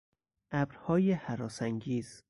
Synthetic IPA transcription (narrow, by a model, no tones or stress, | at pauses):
ʔæbɾhɒːjehæɾɒːsæŋɡiːz̥